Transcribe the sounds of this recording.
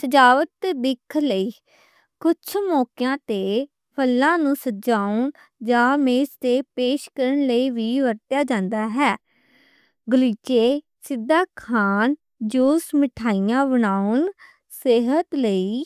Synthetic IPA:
səd͡ʒaːʋət̪ːeːd̪ɪkʰləiː | kʊt͡ʃʰmɔːkjãːt̪eː | pʰəlːãːnũːsəd͡ʒaːʊn | d͡ʒãːmeːst̪eːpeːʃkəɾənləiːʋiːʋəɾt̪jaːd͡ʒãːnd̪aːɦɛː | ɡəliːt͡ʃeː | sɪd̪ːaːkʰaːn | d͡ʒoːsmɪʈʰaːijãːbəɳaːʊn | seːɦət̪ləiː

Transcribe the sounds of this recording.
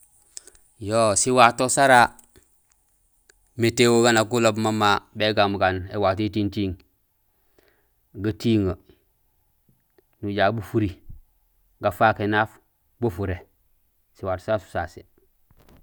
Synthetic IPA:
josiwatosaɾa | metewoɡanakulobmamabeɡamɡanewatitintiːŋ | ɡətiŋə | nuɟabufuɾi | ɡafakenaf | bufuɾe | siwato̥saɾsu̥sasḭ

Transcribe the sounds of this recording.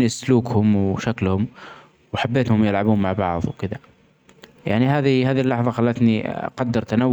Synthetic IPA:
isluːkhʊmwʃaklhʊm | wħabːeːt̪hʊmjɪlʕabuːnmaʕbɑʕðˤwkɪd̪a | ja̰ʕnihaːðihaːðilːɑħðˤɑxalːat̪niqɑd̪ːɑɾˤt̪anawː

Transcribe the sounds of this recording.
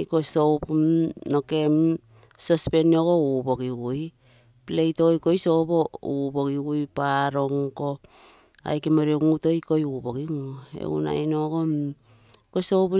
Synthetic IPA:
kosowpmnoke̞m | sospe̞nioɡo̞ubo̞ɡiɡuj | plejtojko̞jso̞bo̞ubo̞ɡiɡujpaɾo̞ŋko̞ | a̰jkemoɾioŋuto̞jko̞juboɡiŋḛṵna̰jnoɡo̞ | kosowp

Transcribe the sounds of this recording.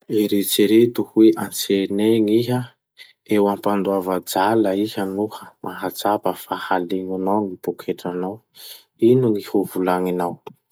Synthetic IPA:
eɾet͡siɾet̪uhweʔant͡seneŋiɦə | ewampand̪uavad͡zaləihənuhəmʔaɦat͡sapəfahaleŋanawŋipukʰeʈ͡ʂanaw | inuŋihuvulaŋinaw

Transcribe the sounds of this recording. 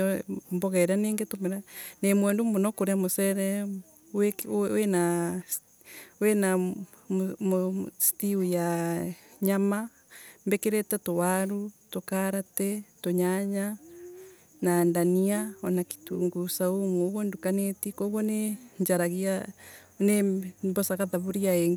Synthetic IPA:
mboɣɛɾaneːŋɡetomeɾanemwɛːndumonɔkoɾeamosɛɾɛ | wewena | wena | momostiuja | ɲama | mbekeɾetɛtowaɾutokaɾatɛtoɲaɲa | nandaniaɔnaki̥tuːŋɡusaumuoβondukanetikoβɔneɲd͡ʒaɾaɣia | nembɔsaɣaðaβuɾiaeŋɡ

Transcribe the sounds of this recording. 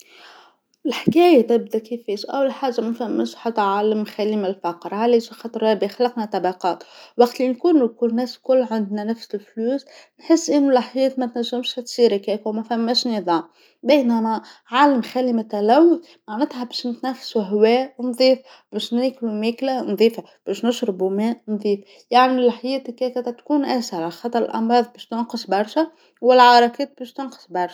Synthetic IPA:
ɪlħkæːjæt̪æb̚d̪ækifːiːʃʔæ̰wːlħaːʒːamæfæmːæ̰ʃħɑt̪ˤːʕaːləmxælimælfɑqɾˤhæliʃxɑt̪ˤɾˤɑbixlɑqnæt̪ɑbɑqɑːt̪wɑqt̪linkuːnukʊnæːskʊlːʕand̪nænæfsɪlfluːsnħəsːʔɪnːulaħjɛːt̪mæt̪næʒːɪmʃht̪siːɾkɛːkwmæfæmːæʃnɨðˤɑːm | bæjnæmæʕaːləmxælimæt̪ælæwːθ | maʕnæːt̪hæbɛːʃnɪt̪næfːsuɦwɛːwnðˤiːf | bæːʃniːklumæːklænðˤiːfa | b̥æːʃnɪʃɾɑbumæːnðˤiːf | jaʕnilħajɛːt̪kɛːkæt̪æt̪kuːnʔæsɑɾˤɑlxɑt̪ˤːɑɾˤəlʔɑ̰mɾˤɑːðˤbɛːʃt̪ʊnqəsbɑɾˤʃæ | wɪlʕɑɾˤɑkɛːt̪̚bɛːʃt̪ʊnqə̥sbɑɾˤʃ

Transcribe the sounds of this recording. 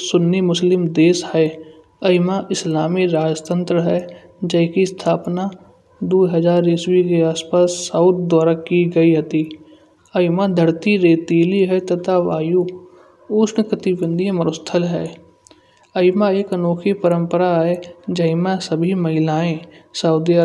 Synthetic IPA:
sʊnːimʊslɪmd̪eːshɛ | əɪmaʔɪslaːmiɾaːd͡ʒt̪ə̃nt̪ɾəɦɛ | d͡ʒəɪkist̪ʰaːpna | d̪uːɦəzaːɾɪswikeaːspaːsːaʊt̪̚d̪aːɾakiɡəiɦɐt̪i | əɪmad̪ʱəɾt̪iɾeːt̪iːliɦɛt̪ɐt̪ʰaʋaːju | ʊːsnəkət̪ibə̃nd̪ʱĩməɾʊst̪ʰəlɦɛː | əɪmaeːkənoːkʰipəɾə̃mpəɾaɦɛd͡ʒəɪmãsəbʱiməɦɪlaːẽsəʊd̪iə

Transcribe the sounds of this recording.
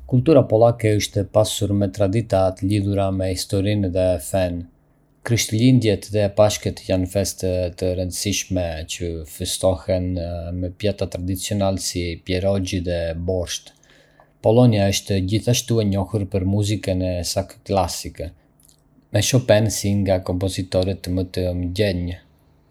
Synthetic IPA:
kult̪uɾapɔlˠakɛəʃt̪ɛpasuɾmɛt̪ɾad̪it̪at̪əliðuɾamɛhist̪ɔɾinðɛfɛn | kɾiʃt̪lind̪jɛt̪ðɛpaʃkɛt̪janfɛst̪ɛt̪əɾənd̪əsiʃmɛt͡ʃəfəst̪ɔhɛnmɛpjat̪at̪ɾad̪it͡siɔnalɛsipjɛɾɔɟiðɛbɔɾʃt̪ | pɔlɔniaəʃt̪ɛd͡ʑiθaʃt̪uɛɲɔhuɾpəɾmuzikənɛsakklasikɛ | mɛʃɔpɛnsiŋɡakɔmpɔzit̪ɔɾɛt̪mət̪əməɟɛɲə

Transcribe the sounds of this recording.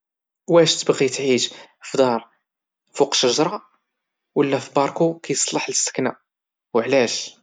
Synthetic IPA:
wæʃt̪əbɣit̪ʕiʃfd̪ɑɾˤ | fuqʃəʒɾˤɑ | wəlːæfibɑɾˤkukæjəsˤləħləst̪ə̥knæ | wəʕlæʃ

